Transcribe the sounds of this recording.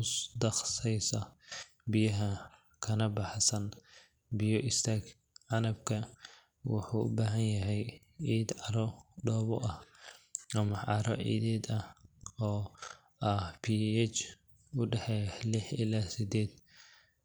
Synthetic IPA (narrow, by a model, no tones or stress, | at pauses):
ʊsd̪ɐχsɛjsɐ | bɪjɐɦɐ | kʰɐnɐbɑħsɐn | bɪjɔʔɪst̪ʰaːɡ | ʕɑnɐb̚kʰɐ | wʊ̰ħuːʔʊ̰baːɦɐnjɐɦɛj | ʕiːd̪ʕɑɾɔɖɔːβɔʔɐh | ɐmɐʕɑɾɔ̰ʕḭːd̪ɛːd̪ɐhɔː | ɐhpʰiːɛt͡ʃ | ʊɖɛħɛjlɪħɪlaːsɪd̪ɛːd̪